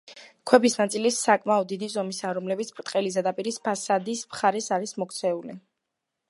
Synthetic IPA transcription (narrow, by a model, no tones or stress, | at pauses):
kʰwɛbisnat̪sʼilisakʼmaɔd̪ːid̪izɔmisaɾɔmlɛbit̪sʰpʰʼɾt̪ʼqʼɛlizɛd̪apʼiɾispʰasad̪ismχaɾɛsaɾismɔkʰt̪sʰɛuli